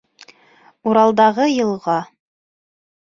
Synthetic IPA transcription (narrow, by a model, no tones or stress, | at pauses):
uɾɑlˠd̪ɑʁɤjɤ̆lˠʁɑ